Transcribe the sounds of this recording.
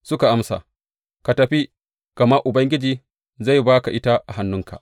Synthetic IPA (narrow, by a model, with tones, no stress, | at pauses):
sʊ˦ka˨ʔa˦msa̰ː˨ | ka˨tɐ˨ɸi˦ | kɐ˨ma˦ʔʊ˨bɐ˦ŋɡʲɪ˦d͡ʒiː˨ | za˦˨jbaː˦ka˨ʔɪ˦ta˦ʔa˨ɦa˦nːʊ˦ŋkʰa̰˨ʔ